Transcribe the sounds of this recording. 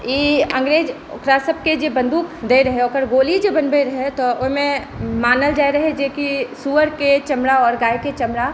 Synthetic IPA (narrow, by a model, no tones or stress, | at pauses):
iːɐ̃ŋɡɾeːd͡ʒ | ʊ̰kɾasəb̚ked͡ʒebɐ̃nd̪uːkd̪eiɾɐɦeokəɾɡoːlid͡ʒebɐnbeiɾɐɦet̪oʔʊɦmẽ | maːnəld͡ʒaːɾɐɦed͡ʒeːkisuːʋəɾket͡ʃɐmɾaɔːɾɡaːjket͡ʃɐmɾa